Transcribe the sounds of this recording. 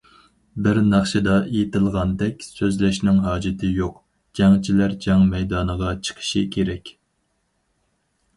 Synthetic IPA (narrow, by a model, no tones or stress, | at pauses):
bɪɾnɑχʃɨd̪ɑʔejit̪ʰɪlˠʁɑnd̪ɛkʲsøzlɛʃnɪŋɦɑːd͡ʒɪt̪ʰɪjoq | d͡ʒ̥ɛŋt͡ʃʰilæɾd͡ʒɑŋmɛjd̪ɑːnəʁɑt͡ʃʰə̥qʰə̥ʃɪ̰kʲʰeɾɛkʲ